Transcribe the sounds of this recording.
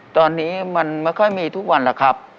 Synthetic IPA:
t̪ɔː˧nːiː˦˥ma˧nma˥˩jkʰɔ˥˩jmiː˧t̪ʰu˦˥k̚wa˧nla˨˧˩kʰɾa˦˥p̚

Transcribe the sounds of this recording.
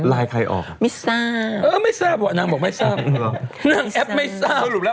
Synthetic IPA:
la˧jkʰa˧jʔɔ̰˨˩fmisa˧˥˧ə˧ma˥˦jsã˥˨p̚bɔ˨˩˨nã˧ŋbɔ˨k̚mã˧jsã˥˨nã˧˨ŋɛ˦pma˦˧jsa˧˨u˨lɛ˦

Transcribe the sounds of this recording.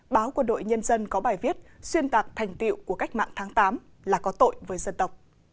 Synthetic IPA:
ɓaː˨˦wkwə˧nɗo̰˧˨jɲə˧nzə˧nkɔ˨˦ɓaː˨˩jvi˦˥ət̚swi˧ənt̪aː˨˩k̚t̪ʰɛ˨˩jŋ̟t̪ḭ˧˨wku˧˩əka˦˥jk̚ma̰ː˧˨ŋt̪ʰaː˨˦ŋt̪aː˨˦m | laː˨˩kɔ˨˦t̪o̰˧˨jvəː˨˦jzə˧nt̪ə˨˩wk͡p̚

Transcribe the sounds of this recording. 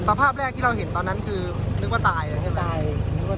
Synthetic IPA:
sa˧pʰaː˥˩p̚ɾɛː˥˩k̚t̪ʰiː˥˩ɾa˧wɦe˨˩˦nt̪ɔː˧nːa˦˥nkʰɯː˧nɯ˦˥k̚waː˥˩t̪aː˧ja˧˩kʰe˥˩wɛ˧˥˩

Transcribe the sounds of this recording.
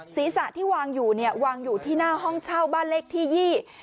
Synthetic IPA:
siː˨˩˦sa˨˩ʔt̪ʰiː˥˩waː˧ŋjuː˨˩ni˥˩ɐwaː˧ŋjuː˨˩t̪ʰiː˥˩naː˥˩ɦɔ˥˩ŋt͡ɕʰaː˥˩wbaː˥˩nle˦˥˩k̚t̪ʰiː˥˩jiː˥˩

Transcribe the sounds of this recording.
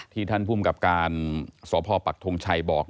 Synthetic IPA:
t̪ʰiː˥˩t̪ʰa˥˩npʰu˥˩mka˨˩p̚kaː˧nsɔː˩˦pʰɔː˧pa˨˩k̚t̪ʰo˧ŋt͡ɕʰa˧jbɔː˨˩k̚

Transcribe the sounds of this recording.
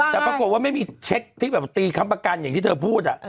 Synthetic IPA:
t̪ɛː˨˩pɾa˧ko˨˩t̚waː˥˩ma˥˩jmiː˧t͡ɕʰe˦˥k̚t̪ʰiː˦˥˩bɛː˨˩p̚t̪iː˧kʰa˧mpa˧ka˧nja˨˩ŋt̪ʰiː˥˩əː˧pʰuː˥˩t̪̚ʔa̰˨˩ʔ

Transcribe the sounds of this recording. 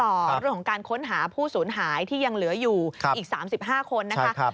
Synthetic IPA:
t̪ɔː˨˩ɾɯ˥˩əŋkʰɔ˨˩˦ŋkaː˧nkʰo˦˥nɦaː˩˦pʰuː˥˩suː˩˦nɦaː˩˦jt̪ʰiː˥˩ja˧ŋlɯ˩˦ɐjuː˨˩˦ʔiː˨˩k̚saː˩˦msi˨˩p̚ɦaː˥˩kʰo˧nːa˦˥ka˦˥a˦˧

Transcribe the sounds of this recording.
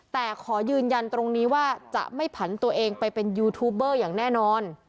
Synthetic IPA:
t̪ɛː˨˩kʰɔː˩˦jɯː˧nja˧nt̪ɾo˧ŋniː˦˥waː˥˩t͡ɕa̰˨˩ʔma˥˩jpʰa˩˦nt̪u˧ɐʔeː˧ŋpa˧jpe˧njuː˧t̪ʰuː˦˥b̚ɤː˥˩jaː˨˩ŋnɛː˥˩nɔː˧n

